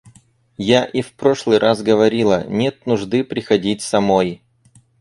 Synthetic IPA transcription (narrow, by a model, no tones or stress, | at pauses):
jaʔifpɾo̞ʂlˠɨjɾʔazɡəvɐɾʲilˠə̰nʲet̪̚nʊʐd̪ɨpɾʲɪxɐdʲitʲsɐmo̞j